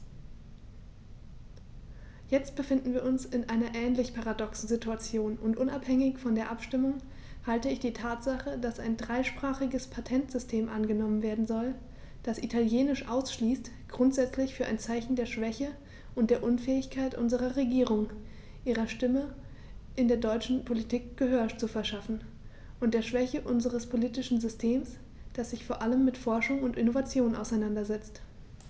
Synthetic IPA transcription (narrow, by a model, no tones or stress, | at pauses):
jɛt͡st̚b̥əfɪndn̩viːɐʔʊnsɪnʔaɪnɐʔɛːnlɪçpʰaʁadɔksn̩zɪtuat͡sjoːnʔʊntʔʊnaphɛŋɪçfɔndeːɐʔapʃtɪmʊŋ | haltəɪçd̥iːtʰaːtz̥aχədasaɪndʁaɪʃpʁ̥aːχɪɡəspʰatʰɛntz̥ʏstʰeːmʔanɡənɔmənveːɐdn̩zɔl | d̥asʔitʰaljeːnɪʃʔaʊsʃliːst | ɡ̥ʁʊntz̥ɛt͡slɪçfyːɐʔa̰ɪnt͡saɪçn̩deːɐʃv̥ɛçə | ʔʊntd̥eːɐʔʊnfɛːɪçkʰaɪtʔʊnzəʁɐʁeɡiːʁ̞ʊŋ | ʔiːʁɐʃtɪmə | ʔɪndeːɐdɔʏt͡ʃn̩pʰolitʰiːkɡ̥əɦøːɐt͡sufɛɐʃafn̩ | ʔʊntd̥eːɐʃv̥ɛçəʔʊnzəʁəspʰoliːtɪʃn̩zʏstʰeːms | d̥asz̥ɪçfoːɐʔaləmːɪtfɔɐʃʊŋʊntʔɪnovat͡sjoːnʔa̰ʊsaɪnandɐzɛt͡st